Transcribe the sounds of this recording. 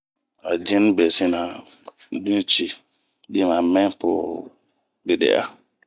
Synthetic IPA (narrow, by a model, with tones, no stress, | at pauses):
a˨d͡ʒɪ˦n˦be˨sɪ˦na˨ | dũ˦t͡ʃi˦ | dɪ˦ma˨mɛ̃˦pʊ˨ | bɪ˦dɛ̰˨ʔa̰˦